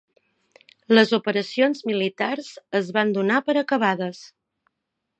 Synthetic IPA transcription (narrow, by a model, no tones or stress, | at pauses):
ləzupəɾəsionzmilit̪arzəzβand̪unapəɾəkəβ̞aðəs